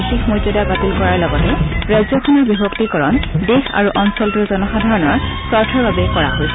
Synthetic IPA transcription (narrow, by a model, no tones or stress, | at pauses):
tixmojzɔdaɡatilkɔɹaɹlɔɡɔtɛɹajzɔkʰoniɹbibʱɔktikɔɹɔndexa̰ɹuʔɔnsɔltuɹzɔnɔxadʱaɹɔnɔɹsɔɹtʰɔɹbabɛkɔɹa̰ɦojs